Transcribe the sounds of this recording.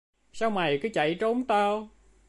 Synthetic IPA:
saː˧wma˨˩jkɨː˨˦t͡ɕa̰˧˩jt͡ɕo˨˦nt̪a˧w

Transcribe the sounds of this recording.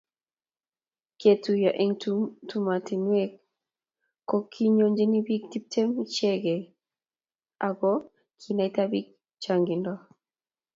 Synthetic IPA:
ke˨tu˨ja˨ʔɛ˦ŋtuma˨ti˨nwɛk̚ | kːɔ˦kʰi˦ɲo˦ɲd͡ʒe˦ni˦bi˦k̚ti˦p̚tʰɛ˦mt͡ʃɛ˦ɡɛ˨ | a˨ɡɔ | kʰinajta˦bi˦k̚ | t͡ʃaŋɡi˨ndɔ

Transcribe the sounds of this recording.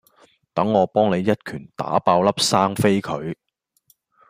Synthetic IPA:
t̪ɐ˨˥ŋːɔː˨˧pɔː˥ŋne˨˧jːɐ˥t̚kʰyː˨˩nt̪a̰ː˨˥paː˧wlɐ˥p̚saː˥ŋfe˥jkʰɵ˨˧ɥ

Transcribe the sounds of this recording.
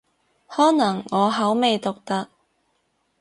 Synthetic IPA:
hɔː˨˥nɐ˨˩ŋːɔː˨˧ɦɐ˨˥wme˨jt̪ʊ˨k̚t̪ɐ˧k̚

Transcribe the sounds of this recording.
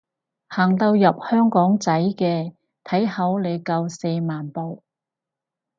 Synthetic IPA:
haː˨˩ŋt̪ɐ˧wjɐ˨p̚hœː˥ŋkɔː˨˥ŋt͡sɐ˨˥jkɛː˧ | t̪ʰɐ˨˥jhɐ˨˥wle˨˧jkɐ˧wse˧jmaː˨npo˨w

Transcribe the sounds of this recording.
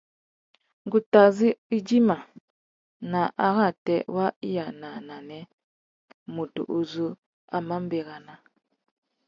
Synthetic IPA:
ŋɡu˨ta˨zi˦i˦d͡ʒi˦ma˨ | na˨ʔa˨ɣa˦˨tɛ˦wa˦i˦ja˨na˨na˨nɛ˦ | mu˨tṵ˨ʔu˨zu˦ | a˨ma˦m˦bɛ˨ɣa˨na˨

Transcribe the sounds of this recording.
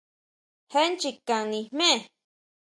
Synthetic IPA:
he˦nt͡ʃi˧ka˨ŋnĩ˧mẽ˦˨

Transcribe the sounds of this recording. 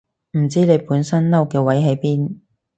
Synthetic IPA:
m̩˨˩t͡siː˥ne˨˧jpuː˨˥nsɐ˥nlɐ˥wkɛː˧wɐ˨˥jɦe˨˥jpiː˥n

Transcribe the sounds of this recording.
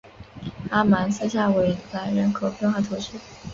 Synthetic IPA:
a˥ma˧˥ns̩˥˧ɕja˥˩we˧˥ɪla˧˥ɪɻə˧˥nkʰo˨˥ʊpjɛ˥˧nxwa˥˩t̪ʰu˧˥ʈ͡ʂ̩ʰ˥

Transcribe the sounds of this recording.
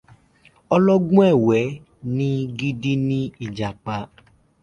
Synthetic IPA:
ɔ˦lɔ˦ɡũ˦ɛ˦˨wɛ˨˦ | nĩ˦ɡi˦di˦nĩ˦i˨d͡ʒa˨k͡pa˨˦

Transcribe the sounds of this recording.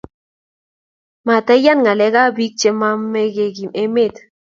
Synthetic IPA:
ma˨t̪a˦ja˦nŋa˨le˧˦ɣa˦bi˦k̚t͡ʃe˧ma˦me˦ɡe˧ɡi˨me˦me˦t̪

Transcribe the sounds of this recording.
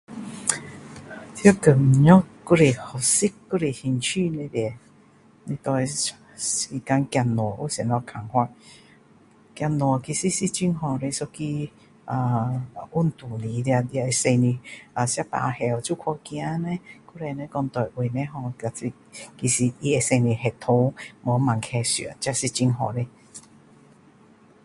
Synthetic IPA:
t̪ʰjo˦kə˨˩m˨ɲɔ˦ku˦ɾe˨hɔ˨˩si˦kːu˦ɾe˨˩hi˧˩nt͡ɕʰy˥˧˨nẽ˧dɛ˨˧˨ | ni˧˦t̪ɔ˧e˧ | si˧˩ka˧ŋkja˧nwɔ˨˩u˦sɛ˨˩nlɔ˧kʰa˨˩ŋhwa˧t | kja˧˩nwɔ˨˩ki˨˩si˧˦si˧˦t͡ɕi˧˦ŋɦɔ̃˨˩ɾe˧sɔ˧ki˧ | a˨ʔu˦˩˨nt̪u˨˩li˨˦lja˧dja˧e˧se˧ni˧a˨sja˦pa̰˧˨˧hɛ˨˩wt͡su˦kʰɔ˧kj̃ã˧˦nɛ̃˧˦ku˧˦ɾɛ˧nɛ̃˧˦kɔ˧ŋt̪ɔ˨˩jʔwe˨˩nɛ̃˦ɦɔ˧ka˨si˧ | ki˨si˨i˧e˧se˧ni˧˩ɦɛ˨˩t̪ʰo˧˦mɔ˨˦ma˨ŋkʰɛ˧sḭ˨˦nt͡ɕja˧si˧t͡ɕi˧ŋɦɔ˨˩ɾe˧

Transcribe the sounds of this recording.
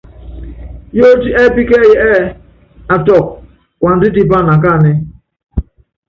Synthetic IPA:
jo˦d͡ʒi˦ʔe˦bi˦ke˦˨jɛ˨ʔɛ˦ | a˨tɔ˨k̚ | kʷa˨n̩˨di˦di˦ba˦˨na˨k̬a˦˨nɪ˦

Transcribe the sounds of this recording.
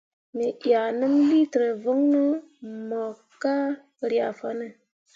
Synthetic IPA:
mi˨ʔja˨nɨ˦m˦li˦tɾe˨və˦ŋnə˦mɔ˨ | kːa˦˨ | ɾja˨fa˦nə˦˨

